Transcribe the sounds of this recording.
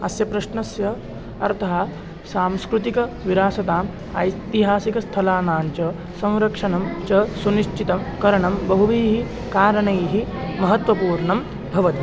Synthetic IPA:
ɐ̰sjɐpɾɐʃɳɐsjɐ | ɐɾt̪ʰɐɦɐ | saːmskɾut̪ikɐ | ʋiɾaːsɐt̪aːm | ɐ̰jt̪iɦaːsikɐst̪ʰɐlaːnaːnt͡ʃɐ | sɐ̃w̃ɾɐkʂɐnɐmt͡ʃɐsuniʃt͡ʃit̪ɐmkɐɾɐɳɐmbɐɦuʋijɦi | kaːɾɐɳɐjɦimɐɦɐt̪ʋɐpuːɾɳɐm | bʱɐʋɐt̪i

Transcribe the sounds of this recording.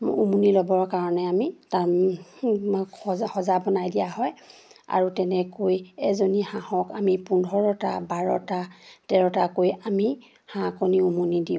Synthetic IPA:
umunilɔbɔɹkaɹɔnɛamita | hɔzabɔnajdijaɦɔja̰ɹutɛnɛkojɛzonihãhɔkamipundʱɔɹɔta̰baɹɔtatɛɹɔtakojami | hãkɔniumunidiʊ̃

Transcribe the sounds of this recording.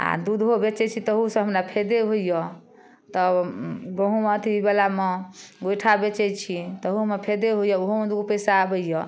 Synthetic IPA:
a̰d̪ud̪ʱɦobet͡ʃɛt͡ʃʰit̪əɦusə̃ɦəmɾapʰed̪eɦoijɔ | t̪ɔɡəɦũmet̪ʰiibelameɡojʈʰabet͡ʃɛt͡ʃʰit̪əɦumepʰed̪eɦojɔoɦomed̪ud̪opəjsaːbəjjɔ

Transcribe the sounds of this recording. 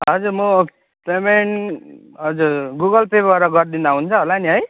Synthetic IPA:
ɦʌd͡zuɾmʌ | pemen | ɦʌd͡zuɾɡuɡʌlpʰebaɾʌɡʌɾd̪ind̪aɦunt͡sʰʌɦolaniɦʌj

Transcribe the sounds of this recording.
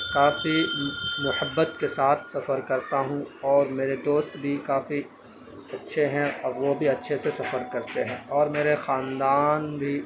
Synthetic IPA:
kaːfimʊhəbːət̪kesaːt̪ʰsɐfəɾkɐɾt̪aɦũɔːɾmeːɾed̪oːst̪bʱikaːfi | ɐtːʃʰeɦɛ̃ɔːɾʋobʱiɐtːʃʰesesɐfəɾkɐɾt̪eɦɛ̃ːɔːɾmeːɾexaːnd̪aːnbʱi

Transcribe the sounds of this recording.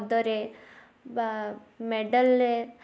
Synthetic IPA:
d̪ɔɾe | meɖəle

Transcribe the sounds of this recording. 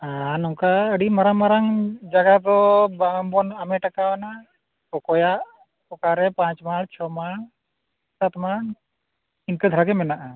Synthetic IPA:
anɔŋkaəɖimaɾamaɾaŋd͡ʒaɡad̪ɔbabɔnamɛʈakawana | kɔkɔjaʔ | pɔkaɾɛpãɲt͡ʃmaɽt͡ʃʰɔmaɽ | sat̪ma | inkəd̪ʱɾaɡɛmɛnaʔa

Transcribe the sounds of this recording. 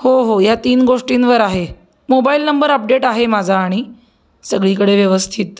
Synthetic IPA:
hoɦojat̪iːnɡoʂʈiːnʋəɾaɦe | mobailnəmbəɾəp̚ɖeʈaɦemad͡zʱaːɽ̃i | səɡɭiːkəɽeʋjəʋəst̪ʰit̪̚

